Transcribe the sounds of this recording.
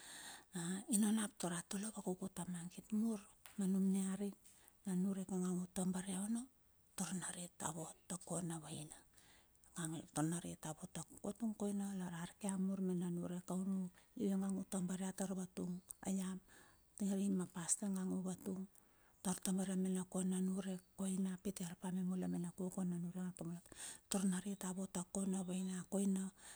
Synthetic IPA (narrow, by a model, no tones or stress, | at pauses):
ainonap̚toɾatolobakokutamaŋɡitmuɾ | manumneaɾik̚ | nanuɾekaŋaŋutombaɾeaono | toɾnaɾita̰βotːakonaβajna | ŋaŋtoɾnaɾitaβotakotuŋkojnalaɾaɾikeamuɾmenanuɾekawnujueŋaŋutambaɾeataɾbatuŋa̰jam | tiŋaɾimapastaŋaŋuβatuŋ | taɾtambaɾeamenakonanuɾe̞ko̞jnapitiaɾpamemulamenakukonanuɾeŋatomatoɾnaɾitaβo̞takonaβajnakojna